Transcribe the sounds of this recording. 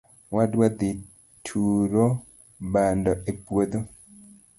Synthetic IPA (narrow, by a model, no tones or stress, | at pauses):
wadwad̪i | tʰuɾo | bandɔʔepwod̪o